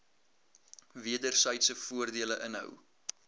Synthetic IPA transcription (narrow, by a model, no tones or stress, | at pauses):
viədərsəjtsəfuərdiələʔənɦœ̰w